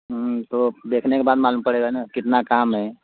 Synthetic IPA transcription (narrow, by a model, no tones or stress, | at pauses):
t̪od̪ekʰnekebaːd̪maːluːmpəɽeɡaɦɛnakɪt̪nakamɦɛ